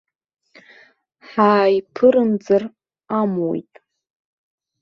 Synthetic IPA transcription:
ħaːjpʰɨɾɨmd͡zɨr | amwḛjtʼ

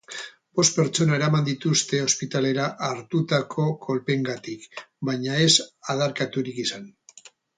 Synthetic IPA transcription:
b̥o̞st̪̚pe̞ɾt͡ʃo̞nae̞ɾamand̪it̪ust̪e̞o̞spit̪ale̞ɾaʔaɾt̪ut̪akʰo̞ko̞lpe̞ŋɡat̪ikbajɲae̞saðaɾkat̪uɾikisan

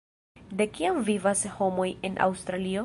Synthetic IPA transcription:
de̞kiamvivasho̞mo̞je̞nʔa̰wst̪ɾalio̞

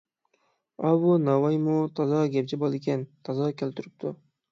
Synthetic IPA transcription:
ɑβunɑvɑjmot̪ʰɑzɑɡʲep̚t͡ʃɪbɑlˠekʲent̪ʰɑzɑkʲʰelʲt̪yɾyp̚t̪ʰʊ

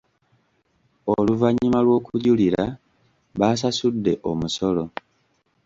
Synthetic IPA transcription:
oluvaɲːimalwo̞ːkuɟuliɾa | βaːs̬asudːe̞ʔo̞muso̞lo̞

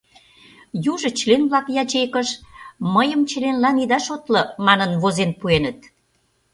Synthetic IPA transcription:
juʒə̆t͡ɕlenβlɑkjɑt͡ɕekəʃməjə̆mt͡ɕəlenlɑnid̪ɑʃot̪lɤ̆mɑnənβozenpuenə̆t̪̚

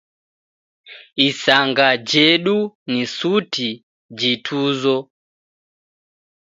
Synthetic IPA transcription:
isaŋɡad͡ʒɛɗunisuti | d͡ʒitʰuzɔ

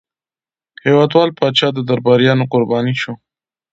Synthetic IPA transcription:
hewɑd̪wɑlpɑt͡ʃɑd̪əd̪aɾbɑɾjɑnoqʊɾbɑniʃo

